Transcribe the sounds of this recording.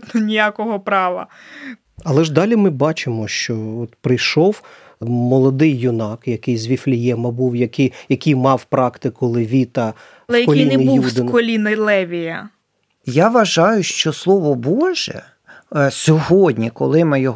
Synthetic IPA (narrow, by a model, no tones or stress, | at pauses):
nɔnʲijakɔɦɔpɾɑʋɐ̰ | ɐlˠɛʒd̪ɑlʲimɪbɑt͡ʃɪmɔʃt͡ʃɔɔt̪pɾɪjʃɔw | mɔlˠɔd̪ɪjːʊnɑkjɐkɪjzʲʋʲiflʲijɛmɐbuwjɐkɪjjɐkɪjmɑwpɾɑkt̪ɪkʊlˠɪʋʲit̪ɐ | lɛɛjɐkʲlʲijineɪjujud̪ɪnkɔlʲinɪlˠɛʋʲijɐ | jaʋɐʒɑjʊʃt͡ʃɔslˠɔʋɔbɔʒɛ̰ | sʲɔɦɔdʲnʲikɔ̰lˠɪmɪjɔ